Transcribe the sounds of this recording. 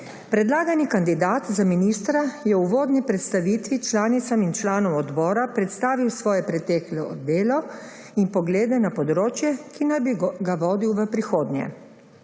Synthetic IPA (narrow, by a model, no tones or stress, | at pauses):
pɾɛd̪laːɡanikand̪id̪aːt̪zaminiːst̪ɾajɛuʋoːd̪nipɾɛt̪st̪aʋiːt̪ʋit͡ʃlaːnit̪samint͡ʃlaːnɔmɔd̪bɔːɾapɾɛt̪st̪aːʋiwsʋɔːjɛpɾɛt̪ɛːklɔd̪eːlɔ | inpɔɡleːd̪ɛnapɔd̪ɾoːt͡ʃjɛkinabiɡaʋɔːd̪iwʋəpɾixoːd̪nʲjɛ̰